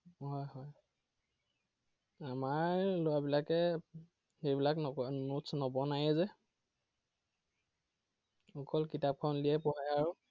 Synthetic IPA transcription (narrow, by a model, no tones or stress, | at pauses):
hɔjɦɔj | amaɹlojabilakɛ | xejbilakɔɔnutsnɔbɔnajɛzɛ | ɔkɔlkitap̚kʰɔnliɛpɔɦajaɹu